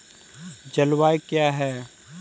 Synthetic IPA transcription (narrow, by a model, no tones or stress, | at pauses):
d͡ʒɐlwaːjkjaːɦɛː